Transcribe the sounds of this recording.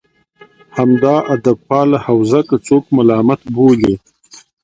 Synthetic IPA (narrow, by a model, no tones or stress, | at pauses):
hamd̪ɑːʔad̪ab̚pɑːlahawzakat͡sokmalɑːmat̪boli